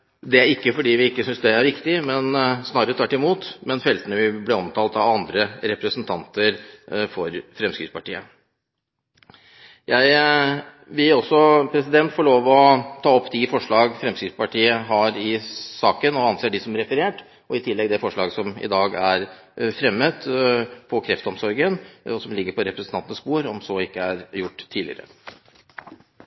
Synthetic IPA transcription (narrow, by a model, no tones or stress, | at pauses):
d̪ɛæɾɪkːəfɔɖiːʋɪɪkːəsʏnsd̪ɛæɾʋɪkt̪ɪmɛnsnɑːɾəɾət̪ʰɑːʈɪmuːt̪mɛnfɛlt̪ənəʋɪblɛɔmt̪ʰɑːlt̪ɑɑnd̪ɾəɾɛpɾəsənt̪ʰɑnt̪əɾfɔɾfɾɛmskɾɪ̰spɑʈiːə | jæɪ | ʋɪlɔsːɔpʰɾɛsɪd̪ɛnt̪fɔːɭoːʋɔt̪ʰɑːɔpːt̪ʰifɔʂɭɑːɡfɾɛmskɾɪspɑʈʰiːəɦɑɾɪsɑːkənɔɑnseːɖɪsɔmæɾɛfəɾeːʈ | ɔɪt̪ʰɪlːɛɡd̪ɛfɔʂɭɑːɡəsɔmɪ̰d̪ɑːɡæɾ | fɾɛmːət̪pʰɔkʰɾɛft̪əɔmsɔɾɡənɔsɔmlɪɡːəɾpʰɔɾɛpɾəsnɑnt̪ənəspuːɾɔmsɔɪkːəæɾjʊʈ̪ːʰiːlɪ̰əɾə̰